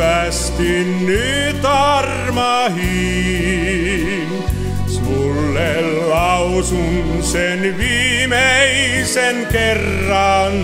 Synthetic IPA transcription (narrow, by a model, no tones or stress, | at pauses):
æst̪inːy | t̪ɑr | mɑhi | n | s | u | lːellɑusun | senʋiː | mei | senkerːɑn